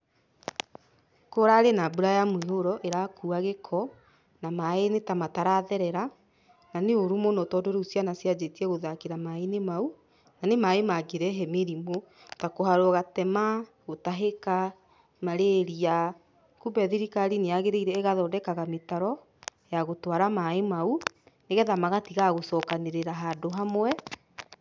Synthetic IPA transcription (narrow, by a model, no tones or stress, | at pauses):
koɾaɾenabuɾajamweɦoɾɔʔeɾakuaɣekʰɔ | namaenetamataɾaðɛɾɛɾa | naneoɾumonɔtɔdoɾeusjanasjad͡ʑetiɛɣoðakeɾamaenemau | nanemaemaɡeɾɛɦɛmeɾimo | takoɦaɾoɔɣatɛma | ɣotaɦeka | maɾeɾia | kubɛðiɾikaɾineaɣeɾeiɾɛɣaðɔːdɛkaɣametaɾɔ | jaɣotwaɾamaemauneɣɛðamaɣatiɣaɣosɔkaneɾeɾaɦaːdoɦamwɛ